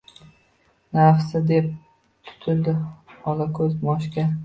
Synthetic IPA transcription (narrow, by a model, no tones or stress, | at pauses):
nafsɪd̪ep̚ | t̪ʰʊ̥t̪ʰɪlˠd̪ɪɒlakʰɵzmɒʃkʲa